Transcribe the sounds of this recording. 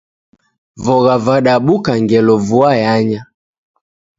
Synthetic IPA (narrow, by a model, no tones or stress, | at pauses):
vɔɣavaɗaɓukaŋɡɛlɔvuajaɲa